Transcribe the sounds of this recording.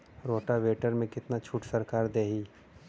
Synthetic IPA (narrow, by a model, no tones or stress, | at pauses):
ɾoːʈaʋeːʈəɾmẽkɪt̪nat͡ʃʰuːʈsɐɾkaːɾd̪eːɦiː